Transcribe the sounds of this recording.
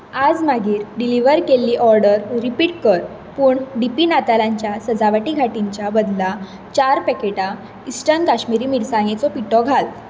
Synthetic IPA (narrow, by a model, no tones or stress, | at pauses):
ad͡zmaɡiːɾɖiliʋəɾkelːiːʔɔɾɖəɾɾipiːʈ̚kəɾ | puːɳɖipinat̪alaɲt͡ɕjasəd͡zaʋaʈiːɡʱaʈiɲt͡ɕjabəd̪la | t͡ɕaɾpɛkeʈa | isʈənkaɕmiɾiːmiɽsãŋ̃ɡet͡sɔpiʈɔɡʱal